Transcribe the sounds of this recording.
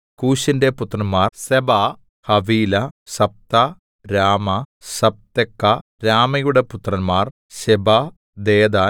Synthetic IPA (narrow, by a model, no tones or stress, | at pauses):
kuːɕindeput̪rɐnmaːrsebɐ | hɐʋiːlɐsɐp̚t̪ɐ | ɾaːmɐsɐp̚t̪ekːɐ | ɾaːmɐjuɽe̞put̪rɐnmaːr | ɕebɐ | d̪eːd̪a